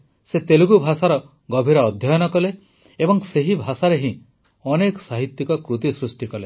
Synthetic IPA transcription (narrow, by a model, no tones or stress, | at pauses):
set̪eluɡubʱasaɾɔ | ɡɔbʱiɾɔːd̪ʱjɔjɔnɔkɔle | ebɔŋseɦibʱasaɾeɦĩ | ɔnekɔ̥saɦit̪jikɔkɾut̪isɾusʈikɔle